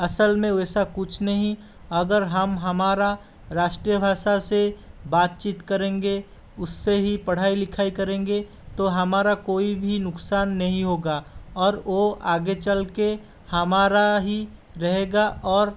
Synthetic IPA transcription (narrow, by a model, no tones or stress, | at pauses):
ɐsəlmẽɛːsakʊt͡ʃʰnɐɦĩ | ɐɡəɾɦəmɦɐmaːɾa | ɾaːʃʈɾijəbʱaːʃasebaːt̪̚t͡ʃiːt̪kɐɾẽːŋɡe | ʊsːeɦipɐɽ̤aːilɪkʰaːikɐɾẽːŋɡe | t̪oɦɐmaːɾakoːibʱinʊksaːnːɐɦĩɦoːɡaːɔːɾoaːɡet͡ʃəlke | hɐmaːɾaɦiɾɐɦeːɡaʔɔːɾ